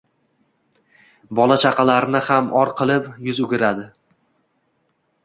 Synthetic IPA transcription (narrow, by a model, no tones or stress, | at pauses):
bɒlˠat͡ʃʰaqʰɑlaɾɪnɪhamʔɒɾqʰɨlˠɪpjʊzʊɡʲɪɾad̪ɪ